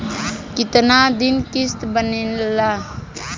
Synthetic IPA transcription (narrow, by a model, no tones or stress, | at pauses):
kɪt̪nad̪ɪnkɪst̪bənenla